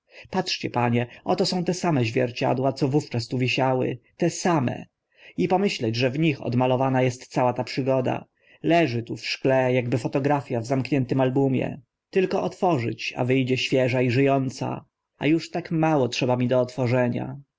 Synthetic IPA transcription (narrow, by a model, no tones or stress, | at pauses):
patʂt͡ɕɛpaɲɛʔɔt̪ɔsɔ̃w̃t̪ɛsamɛʑvʲjɛɾt͡ɕa̰d̪wat̪sɔvuft͡ʂast̪uvʲiɕawɘ̰t̪ɛsamɛ̰ | ipɔmɘɕlɛd͡ʑʐɛvɲixɔ̰d̪malɔvanajɛst̪sawat̪apʂɘɡɔd̪a̰ | lɛʐɘt̪ufʂklɛjaɡbɘfɔt̪ɔɡɾafʲjavzamkɲɛnt̪ɘmalbumʲjɛ̰ | t̪ɘlkɔʔɔt̪fɔʐɘ̰t͡ɕa̰vɘjd͡ʑɛɕfʲjɛʐaiʐɘjɔnt̪sa̰ | a̰juʂt̪akmawɔtʂɛbamʲid̪ɔːt̪fɔʐɛɲa̰